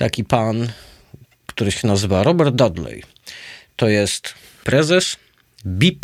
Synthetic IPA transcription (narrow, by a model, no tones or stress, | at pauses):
t̪akʲipan | kt̪uɾɘɕɛnazɘvaɾɔbɛɾd̪̚d̪ad̪lɛ̰j | t̪ɔjɛst̪ | pɾɛzɛs | bʲip